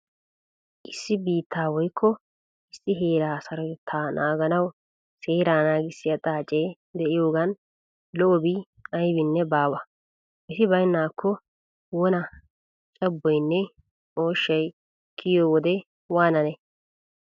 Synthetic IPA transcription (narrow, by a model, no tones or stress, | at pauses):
ʔɪsːɪbiːt̪ʰːaːwɔjkʰːɔ | ɪsːɪɦeːɾaːsɐɾɔjt̪ʰːaːnʔaːɡɐnɐw | seːɾaːnaːɡɪsːɪjɐt̪ʼaːt͡ʃʼeː | d̪ɛʔɪjoːɡɐn | lɔʔɔbi | ɐjbɪnːɛbaːwɐ | ʔɪsɪbɐjnːaːkʰːɔ | wɔnɐ | t͡ʃʼɐbːɔjnːɛ | o̞ːʃːɐj | kʰɪjowɔd̪ɛ | waːnɐnɛ